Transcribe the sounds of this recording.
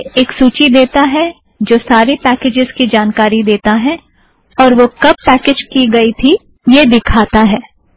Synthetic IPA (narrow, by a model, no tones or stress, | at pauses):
eːksuːt͡ʃid̪eːt̪aɦɛ | d͡ʒoːsaːɾepɛːkeːd͡ʒɪzkid͡ʒaːnkaːɾid̪eːt̪aɦɛ | ɔːɾʋokɐb̚ːɛːkeːd͡ʒkiɡɐit̪ʰi | jed̪ɪkʰaːt̪aɦɛː